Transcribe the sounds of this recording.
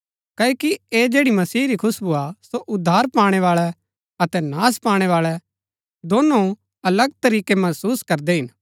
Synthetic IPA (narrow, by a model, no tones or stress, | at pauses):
kɐːokieːd͡ʒeːɽimɐsiːɾikʰʊsbʱuasoʔʊd̪ʱːaːɾpaːɽ̃eʋaːɭɛ | ɐt̪ɛnaːspaːɽ̃eʋaːɭɛ | d̪oːno | ɐləɡt̪ɐɾiːkemɐsuːskɐɾd̪eɦɪn